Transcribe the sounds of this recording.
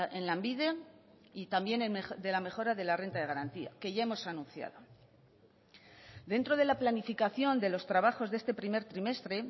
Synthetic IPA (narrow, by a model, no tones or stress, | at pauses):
enlambiðe | it̪ambje̞ned̪e̞lame̞xo̞ɾaðe̞lare̞nt̪aðeɣaɾant̪ia̰ke̞ʝae̞mo̞sanũn̟θja̰ðo̞ | d̪e̞nt̪ɾo̞ðe̞laplanifikaθjo̞nd̪e̞lo̞st̪ɾaβaxo̞zðe̞st̪e̞pɾime̞ɾt̪ɾime̞st̪ɾe̞